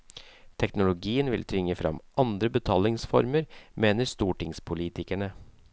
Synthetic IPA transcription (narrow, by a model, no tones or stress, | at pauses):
t̪ʰɛknʊlʊɡiːənʋɪlt̪ʰʏŋːəfɾɑ̰mʔɑnd̪ɾəbət̪ʰɑːlɪŋsfɔ̰ɾməɾmeːnəɾst̪uːʈɪŋspʰʊliːt̪ɪkæɳə